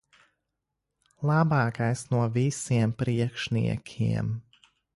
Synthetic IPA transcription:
lˠabɑːkajsnuɔvisiɛmpɾiɛkʃnḭɛkʲʰḭɛm

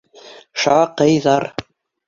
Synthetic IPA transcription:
ʃɑqɤjðɑɾ

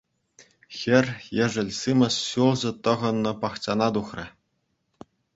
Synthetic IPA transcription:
xʲɘ̆rʲjɘ̆ʐɘ̆lʲsimʲɤ̆ɕɕulˠʑɤ̆t̪ɤ̆ʁɤ̆nːɤ̆pɑχt͡ɕɑnɑd̪uχrʲɘ̆

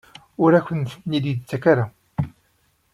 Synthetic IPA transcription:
ʊɾæçənsnid̪it͡sːækaɾa

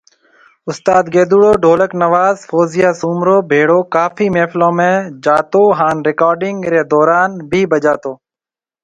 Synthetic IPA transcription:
ʊst̪aːd̪ɡeːd̪uːɽoːɖʱoːləknəʋaːzfoːzɪjaːsuːmɾoːbʱeːɽoːkaːfʰiːmeːflõːmẽːd͡ʒaːt̪oːɦaːnɾɪkaːɾɖɪŋɡɾeːd̪ɔːɾaːnbʱiːbəd͡ʒaːt̪oː

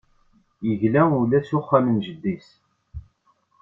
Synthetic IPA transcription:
jəʝlæulæsʊχːamənʒəd̪ːis

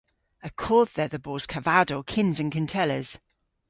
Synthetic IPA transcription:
əkʰɔːððəðəbɔːz̥kʰəvadəʊkʰɪ̃nzə̃nkʰə̃ntʰɛləz̥

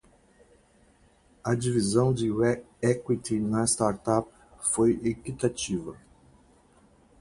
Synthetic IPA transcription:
ɐd͡ʒivizɐ̃w̃d͡ʒɪwɛ | ɛkwit̪inɐst̪aɾt̪ap | fojekit̪at͡ʃivɐ

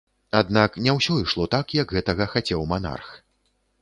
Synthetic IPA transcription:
ad̪naknʲawsʲɔiʂlˠɔt̪akjɐɡɣɛt̪ɐɣɐxat͡sʲɛwmana̰rx

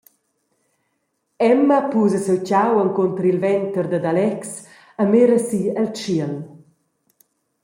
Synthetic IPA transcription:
ɛmːəpuːzəsewt͡ɕawəŋkɔnt̪ɾilvɛnt̪əɾd̪əd̪alɛks | əmeɾəsiəlt͡ʃiəl

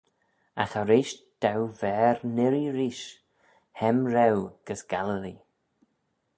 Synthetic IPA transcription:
axɔɾiːʃd̪̥awvɛːɾnɪɾiɾiːʃ | hɛmɾɛwɡ̥əsɡ̥aləli

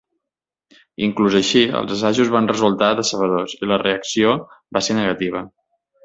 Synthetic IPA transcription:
iŋkluzəʃiə̰lˠzəsaʒuzβanrəzulˠt̪aðəsəβ̞əðosiləreəksiobaseɾnəɣət̪iβ̞ə

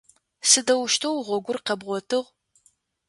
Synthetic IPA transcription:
sɨdɐwʊʃtʰɐwʁʷɔɡʷʊrqɐbʁʷɔtʰɨʁ

